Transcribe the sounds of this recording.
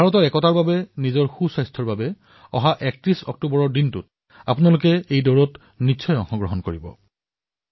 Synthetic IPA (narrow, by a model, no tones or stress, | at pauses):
bʱaɹɔtɔɹɛkɔtaɹbabɛnizɔɹxusajstʰɔɹbabɛ | ɔɦaʔɛk̚tɹisɔ̰k̚tubɔɹɔɹdintʊt | a̰pʊnalʊkɛejdɔɹɔt | nitːsʰɔjɔ̃ŋhɔ̃ɡɹɔɦɔnkoɹibɔ̰